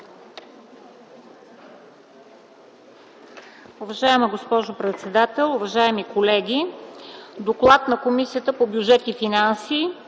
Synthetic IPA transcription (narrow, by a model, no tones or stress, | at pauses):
uvɐʒaɛməɡospɔʒopɾɛt̪sɛd̪at̪ɛlˠuvɐʒaɛmikolɛɡʲi | d̪oklˠat̪nɐkomisiət̪əpobjud͡ʒɛt̪ifinansiː